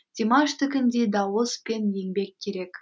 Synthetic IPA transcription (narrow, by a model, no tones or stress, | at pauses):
d̪̥ʲimaʃt̪ʰɪkʲɪnd̪e̞d̪ɑwəspe̞nje̞ŋbe̞kʲʰːe̞ɾe̞k